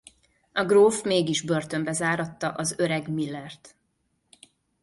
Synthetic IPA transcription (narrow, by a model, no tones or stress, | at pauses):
ɒɡroːfmeːɡiʒbørt̪ø̞mbɛzaːɾɒt̪ːɒʔɒzøɾɛɡmilːɛrt̪